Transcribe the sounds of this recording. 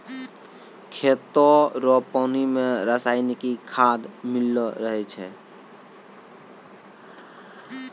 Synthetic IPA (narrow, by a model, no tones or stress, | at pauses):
kʰet̪ɔɾɔpɔnimẽɾəsaɪnikikʰad̪mɪlːɔɾəɦɛt͡ʃʰɛ